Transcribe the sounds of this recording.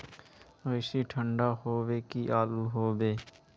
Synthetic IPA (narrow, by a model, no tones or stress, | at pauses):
əɪsiʈʰə̃ɳɖaɦoːwekiʔaːluɦoːbeː